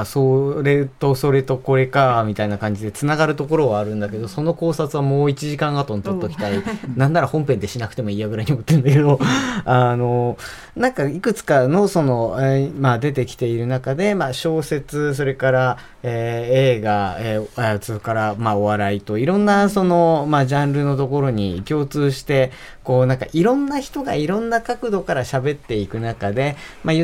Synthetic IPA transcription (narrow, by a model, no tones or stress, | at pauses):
soɾe̞t̪o̞so̞ɾe̞t̪o̞ko̞ɾe̞kamʲit̪ainakãɲ̟d͡ʑid̪e̞t͡sɨnaɡaɾɯ̟t̪o̞ko̞ɾo̞βaːɾɯ̟̃nd̪ake̞d̪o̞so̞no̞ko̞ːsat͡sɨβamo̞ːit͡ɕiʑikãɰ̃at̪o̞nt̪ot̪ːokʲi̥t̪ainãnd̪aɾahõ̞mpend̪e̞ɕinakɯ̟t̪e̞mo̞iːaɡɯ̟ɾaiɲomot̪ːeɯ̃nd̪ake̞d̪o̞ano̞ | nãŋkaikɯ̟t͡sɨ̥kano̞so̞no̞mad̪e̞t̪̬e̞kʲi̥t̪e̞iɾɯ̟nakad̪e̞maɕo̞ːse̞t͡sɨs̬o̞ɾe̞kaɾa | eːeːɡaesokaɾamaoβaɾait̪o̞iɾõ̞nːaso̞no̞mad͡ʑãnɾɯ̟no̞t̪o̞ko̞ɾo̞ɲ̟ḭkʲo̞ːt͡sɨːɕi̥t̪e̞ | ko̞ːnãŋka̰ʔiɾõ̞nːaçi̥t̪o̞ɡaiɾõ̞nːakakɯ̟d̪o̞kaɾaɕabe̞t̪ːe̞ikɯ̟nakad̪e̞ma